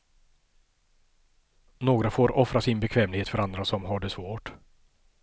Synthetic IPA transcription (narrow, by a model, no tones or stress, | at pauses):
noːɡɾafoːɾɔfɾasɪnbɛkʰvɛːmlɡheːt̪fœɾand̪ɾasɔmɦaɖɛsvoːʈ